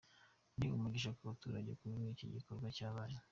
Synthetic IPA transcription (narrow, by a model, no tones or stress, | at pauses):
niumuɡiʃ̬akuβatuɾaɟekuβinicḭɟiko̞ɾɡwacaːβaɾa